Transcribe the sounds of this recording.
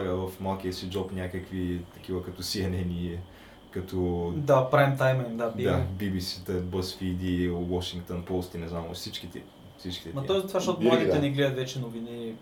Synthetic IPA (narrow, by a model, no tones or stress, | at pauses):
ɡəvɐfmalˠkʲiəsid͡ʒɔpnʲakəkvit̪ɐk̟ivəkɐt̪ɔsiɐnɛni | kɐt̪ʰɔd̪apɾajmt̪ajmɛimd̪abd̪abibisit̪ɐbəsfid̪iwɔʃiŋkt̪onpost̪inɛznamo̰sit͡ʃkit̪ɛ | fsit͡ʃkʲi̥t̪ɛmɐt̪ɔjzɐt̪vaʃt̪ɔt̪ʊmlˠaɡ̪iɛnɛɡlɛd̪ɐt̪vɛt͡ʃɛnovini